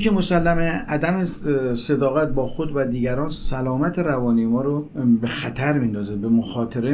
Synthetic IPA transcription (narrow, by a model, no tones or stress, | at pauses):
emosælːæmeʔæd̪æmesed̪ɒːɣæt̪̚bɒːxod̪væd̪iːɡæɾɒːnsælɒːmæt̪ʰeɾævɒːnijemɒːɾobe̞xæt̪ʰæɾmind̪ɒːzebemoxɒːt̪ʰeɾe